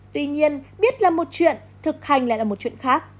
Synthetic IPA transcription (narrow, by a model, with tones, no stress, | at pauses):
t̪wi˧ɲi˧ənɓi˦˥ət̚laː˨˩mo˨˩t̚t͡ɕwḭ˧˨ən | t̪ʰɨ˨˩k̚ha˨˩jŋ̟la̰˧˨ʔaː˨˩mo˨˩t̚t͡ɕwḭ˧˨ə˨nxaː˦˥k̚